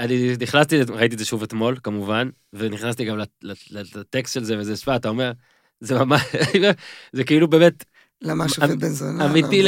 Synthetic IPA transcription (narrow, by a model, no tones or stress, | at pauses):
aniniχnast̪iʁait̬izeʃuvet̪mo̞lkamuvan | veniχnast̪iɡamlaleletekstʃelzevezesvaat̪ao̞me̞ʁ | zemamaʃ | zekiilube̞me̞t̪ | lamaabenzonamit̪i